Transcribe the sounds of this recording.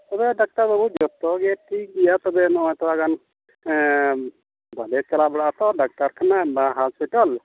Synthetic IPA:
t̪ɔbɛɖak̚ʈaɾbɔbʱut̪̚d͡ʒɔt̪ɔɡɛʈʰik̚ɡijat̪ɔbɛnɔɔjt̪ɔaɡan | bʱalɛt͡ʃalabɔɽat̪ɔɖak̚ʈaɾkʰanabaɦaspiʈɔl

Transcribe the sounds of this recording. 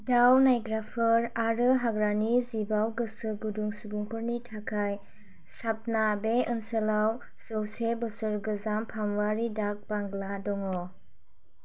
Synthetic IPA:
dawnajɡɾapʰɯɾaɾɯɦaɡɾanizibawɡɯsɯɡuduŋsubuŋpɯɾnitʰakʰaj | sap̚nabeɯnsəlaw | z̥ɔwsebɯsɯɾɡɯzampʰamwaɾidak̚baŋɡladɔŋɔ

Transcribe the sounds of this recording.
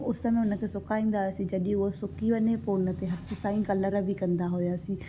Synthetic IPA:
ʊsəmẽʊnə̃kʰesʊkaːĩːnd̪aːɛsĩːd͡ʒəɗĩusʊkːiʋəneponət̪eɦət̪ʰːsãːĩːkələɾbiːkənd̪aɦoːjaːsĩː

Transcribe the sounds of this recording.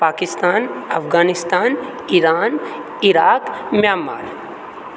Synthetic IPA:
paːkɪst̪aːnɐfɡaːnɪst̪aːn | iɾaːn | iɾaːkmjaːma̰ːɾ

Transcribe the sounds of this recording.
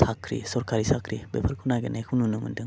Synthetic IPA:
sʰakʰɾḭsɔɾkʰaɾisakʰɾibepʰaɾkʰunaɡenajkʰununumɯ̰ndɯŋ

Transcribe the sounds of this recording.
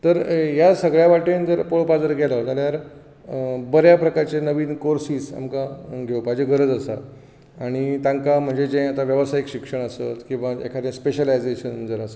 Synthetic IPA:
t̪əɾjasəɡɭjaʋaʈend͡zəɾpoɭpad͡zəɾɡʱelad͡zaljaɾ | bəɾjapɾəkaɾt͡ɕenəʋiːnkoɾsiːsa̰mkaɡʱewpad͡ʑeɡʱəɾəd͡zasa̰ | aɽ̃it̪ãŋkam̤əɳd͡zed͡ʑẽjat̪aʋjəʋəsaikɕikʂəɳ̃əsə̰t̪kĩw̃ʋaḛkʰat̪ẽspeɕəlajd͡zeɕənd͡zəɾasə

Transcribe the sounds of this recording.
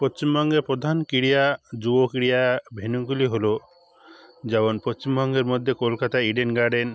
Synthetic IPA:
pɔst͡ʃimɔŋɡepɾɔd̪ʱankiɽijad͡ʒubɔkiɽijabʱenukuliɦolo | d͡ʒebɔnpɔst͡ʃimbɔŋɡeɾmɔd̪ʱjekolkat̪aiɖenɡaɖen

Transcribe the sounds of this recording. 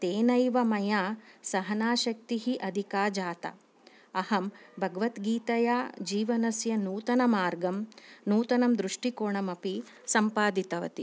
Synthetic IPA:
t̪eːnɐjʋɐmɐjaːsɐɦɐnaːʃɐk̚t̪iɦiʔɐd̪ʱikaːd͡ʒaːt̪ɐ̰ | ɐhɐmbʱɐɡɐʋɐt̪ɡiːt̪ɐjaːd͡ʒiːʋɐnɐsjɐnuːt̪ɐnɐmaːɾɡɐmnuːt̪ɐnɐmd̪ɾuʂʈikoːɳɐmɐpi | sɐmpaːd̪it̪ɐʋɐ̰t̪i

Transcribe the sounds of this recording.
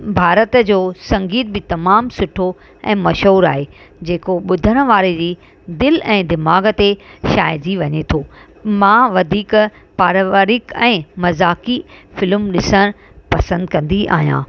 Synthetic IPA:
bʱaːɾət̪d͡ʑoːsɐ̃ŋɡiːt̪̚bɪt̪ɐmaːmsʊʈʰo | ɛ̰̃ːmɐʃɦoːɾa̰ːɦe | d͡ʑeːkoɓʊd̪ʱəɽ̃̆ʋaːɾed͡ʑiː | d̪ɪlɛ̃ːd̪ɪmaːɡət̪eʃaːjd͡ʑiʋɐɲet̪ʰoː | mãːʋɐd̪ʱiːk | paːɾʋaːɾɪkɛ̃ːmɐzaːkifɪlʊmɗɪsəɽ̃ | pɐsə̃nd̪kɐ̃nd̪iʔa̰ːɦijã̰ː

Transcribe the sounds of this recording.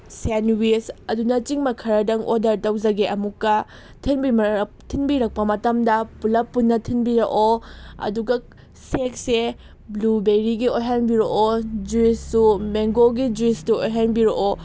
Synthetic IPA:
senwisɐdunɐt͡ʃiŋmɐkʰɐɾɐdɐŋʔodɐɾtɐwzɐɡeʔɐmukːɐ | tʰinbi | tʰinbiɾɐk̚pɐmɐtɐmdɐpulɐpːunːɐtʰinbiɾɐʔoɐ̰duɡɐ | sek̚se | blubeɾiɡiojɦanbiɾoʔod͡ʒuisːumeŋɡoɡid͡ʒuistuojɦanbiɾoʔo

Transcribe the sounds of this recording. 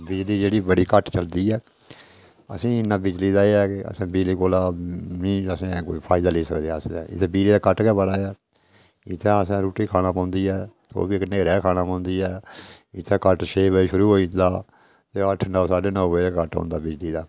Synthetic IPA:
bɪd͡ʒliːd͡ʒeːɽiːbəɽiːkəʈt͡ʃəld̪iːɛː | ə̰sĩːɪnːãːbɪd͡ʒliːd̪aːeːɛːkeə̰sãːbiːliːkoːlaːnĩːəsẽːkoːipʰaːɪd̪aːleːsəkd̪eaːəsɛ̰̃ɪ̰t̪ʰːɛ̃ːbiːliːd̪aːkəʈkɛːbəɽaːaː | ɪt̪ʰːɛ̃ːəsãːɾuːʈːiːkʰaːnãːpãːnd̪iːɛːso̰ːbiːɪkneːɾɛːkʰaːnãːpãːnd̪iːɛː | ɪt̪ʰːɛ̃ːkəʈʃeːʋəiʃʊɾuːɦoːĩnd̪aː | t̪eːəʈʰːnəːsaːɖeːnəːʋəkəʈɦɔ̰̃ːnd̪aːbɪd͡ʒliːd̪aː

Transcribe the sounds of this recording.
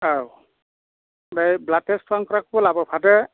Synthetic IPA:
aw | bɛjblatɛstwaŋkɔɹakʰbɔlabɔpʰadɛ

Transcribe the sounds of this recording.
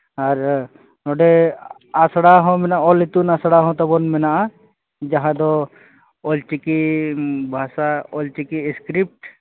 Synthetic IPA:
aɾ | nɔɖe | asɽaɦɔ̃mɛnaɔlit̪unasɽaɦɔ̃t̪ɔbɔnmɛnaʔa | d͡ʒaɦãd̪ɔ | ɔlt͡ʃiki | bʱasaɔlt͡ʃikiskɾip̚ʈ

